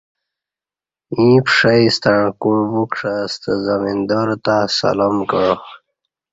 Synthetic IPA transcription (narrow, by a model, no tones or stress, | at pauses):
ĩpʂəist̪aɳkuɻbukʂast̪əzamind̪oɾt̪asa̰lomkəɻ